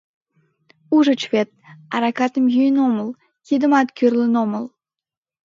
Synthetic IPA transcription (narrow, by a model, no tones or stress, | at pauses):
uʒət͡ɕvet̪̚ɑɾɑkɑt̪əmjyjənoməl | kid̪əmɑt̪kyrlənoməl